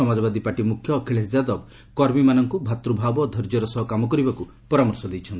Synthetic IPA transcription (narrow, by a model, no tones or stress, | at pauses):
ɔmad͡ʒɔbad̪ipaʈimukʰjɔːkʰiɭesd͡ʒad̪ɔk̚ | kɔɾmimanɔŋkubʱat̪ɾubʱabɔːd̪ʱɔɾd͡ʒɔɾɔsɔɦɔkamɔkɔɾibaku | pɔɾamɔɾsɔd̪ejt͡ʃʰɔnt̪